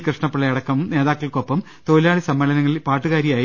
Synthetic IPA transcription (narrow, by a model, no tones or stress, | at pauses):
krɨʂɳɐpːɐɭɐjɐɽɐkːɐʋumne̞ːðaːkːɐɭko̞pːɐm | t̪o̞ːlaːɭisɐmːelɐnɐŋːɐɭipaːʈːɨɣaːɾjɐjaː